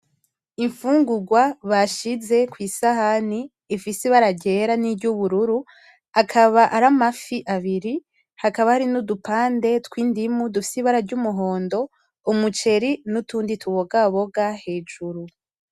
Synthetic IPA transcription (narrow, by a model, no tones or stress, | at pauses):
iɱfuːŋɡuɡwaβaʃize̞kwiːsahaniː | fiseβaɾaɟe̞ɾanibɟuβuɾuɾu | akʰaβaʔaɾamafiʔaβiɾi | hakaβahaɾinudupaːnde̞tkwiːndimudufi̥siβaɾaɾɟuːmuɦo̞ːndo̞ | umut͡ʃe̞ɾinutuːnditʰuβo̞ɡaβo̞ɡahe̞ːd͡ʒuɾu